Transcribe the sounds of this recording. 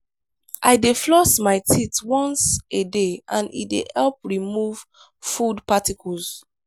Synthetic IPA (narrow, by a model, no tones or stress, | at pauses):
ʔa̰ɪdeflɔsmaɪtʰitwɔ̃nsedeãnḭdḛhɛlp̚ɹimuv | fudpatikʰuls